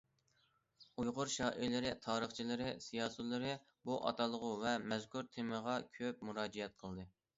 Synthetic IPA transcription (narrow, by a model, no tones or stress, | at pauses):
ujʁʊɾʃɑːʔilɪɾɪt̪ʰɑːɾəχt͡ʃʰilɪɾɪsijɑːsɨt̪lˠɨɾɨ | buʔɑ̰t̪ʰɑlˠəʁʊvɛmɛzkʲʰuɾt̪ʰɪmɨʁɑkʲʰøp̚muɾɑːd͡ʒiɛt̪̚qʰəlˠd̪ɨ